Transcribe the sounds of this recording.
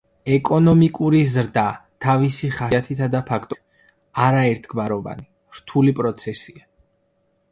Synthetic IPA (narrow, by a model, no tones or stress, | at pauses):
ɛkʼɔnɔmikʼuɾizɾd̪at̪ʰavisiχaat̪ʰit̪ʰad̪apʰakʰt̪ʼ | aɾaɛɾt̪ʰɡmaɾɔva̰ni | ɾ̥t̪ʰulipʼɾɔt̪sʰɛsia